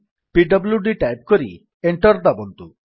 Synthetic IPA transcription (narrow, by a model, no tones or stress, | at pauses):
piɖəbljuɖiʈajp̚kɔɾḭ | eɳʈɔɾd̪abɔnt̪u